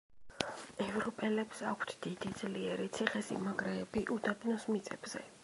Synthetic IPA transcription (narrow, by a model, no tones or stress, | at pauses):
ɛvɾɔpʼɛlɛpsakʷʰt̪ʰd̪̥id̪id̪zliɛɾit̪sʰiχɛsḭmaɡɾɛːbiʔud̪adnɔsmit̪sʼɛ̰b̥z̥ɛ̰